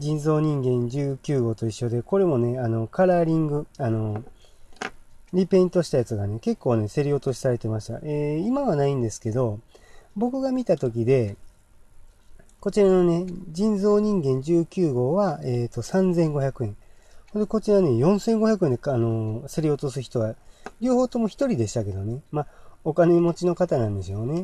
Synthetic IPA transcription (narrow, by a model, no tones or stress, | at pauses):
d͡ʑĩnzo̞ːɲ̟ĩŋɡẽ̞ɲd͡ʑɨːkʲɨːɡo̞ːt̪o̞iɕːo̞d̪e̞ko̞ɾe̞mo̞ne̞ano̞kaɾaːɾʲĩŋɡɯ̟ano̞ | ɾʲipe̞ĩnt̪o̞ɕi̥t̪ajat͡sɨɡane̞ke̞kːo̞ːne̞se̞ɾʲijo̞t̪o̞ɕi̥saɾe̞t̪e̞maɕi̥t̪a̰ʔeimaβanaĩnd̪e̞sɨ̥ke̞d̪o̞bo̞kɯ̟ɡamʲit̪at̪o̞k̬ʲid̪e̞ | ko̞t͡ɕiɾano̞ne̞d͡ʑĩnzo̞ːɲ̟ĩŋɡẽ̞ɲ̟d͡ʑɨːkʲɨːɡo̞ːβaeːt̪o̞sãnd͡zẽ̞ŋɡo̞çakɯ̟ẽ̞ŋhod̪eko̞t͡ɕiɾane̞jõ̞ɰ̃sẽ̞ŋɡo̞çakɯe̞nd̪eano̞se̞ɾʲio̞t̪o̞sɨçi̥t̪o̞ɡaɾʲoːho̞ːt̪o̞mo̞çi̥t̪o̞ɾʲid̪e̞ɕi̥t̪ake̞d̪o̞ne̞mao̞kane̞mo̞t͡ɕino̞kat̪anãnd̪e̞sjo̞ne̞